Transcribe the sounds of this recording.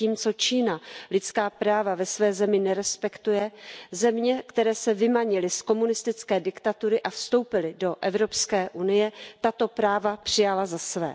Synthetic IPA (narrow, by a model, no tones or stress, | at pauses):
iːmt͡so̞t͡ʃiːnalɪt͡skaːpɾaːvavɛsvɛːzɛmɪnɛɾɛspɛkt̪ujɛzɛmɲɛkt̪ɛɾɛːsɛvɪmaɲɪlɪsko̞munɪst̪ɪt͡skɛːdɪkt̪at̪uɾɪʔafst̪o̞wpɪlɪdo̞ʔɛvɾo̞pskɛːʔunɪjɛt̪at̪o̞pɾaːvapr̝̥ɪjalazasvɛ̰ː